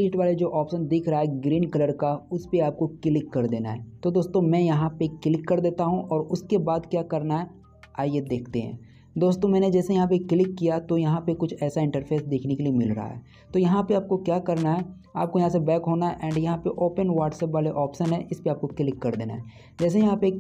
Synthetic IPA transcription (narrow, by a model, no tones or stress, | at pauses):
liːʈʋaːled͡ʒoːʔɔːpʃənd̪ɪkʰɾɐɦaɦɛɡɾiːnkɐləɾkaʊspeaːp̚kokɪlɪkːɐɾd̪eːna̰ɦɛ̰ːt̪od̪oːst̪õmɛ̃jɐɦãpekɪlɪkːɐɾd̪eːt̪aɦũʔɔːɾʊskebaːd̪kjaːkɐɾnaɦɛ | aːijed̪eːkʰt̪eɦɛ̰̃ː | d̪oːst̪õmɛ̃ːned͡ʒɛːsejɐɦãp̬ekɪlɪkːijat̪ojɐɦãpekʊt͡ʃʰɛːsaɪ̃ɳʈəɾpʰeːsd̪eːkʰnekeliemɪlɾɐ̰ɦa̰ɦɛ̰ː | t̪ojɐɦãpeaːp̚kokjaːkɐɾnaɦɛ | a̰ːp̚kojɐɦãsebɛːkɦoːnaɦɛʔɛ̃ːɳɖjɐɦãpeʔoːpənʋaːʈsɛːpʋaːleʔɔːpʃənɦɛ̃ʔɪspeaːp̚kokɪlɪkːɐɾd̪eːna̰ɦɛː | d͡ʒɛːs̬ejɐɦãpe